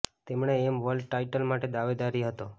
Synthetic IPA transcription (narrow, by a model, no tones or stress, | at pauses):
t̪emɳ̃eːmʋəlʈaiʈəlmaʈed̪aʋed̪aɾiɦət̪o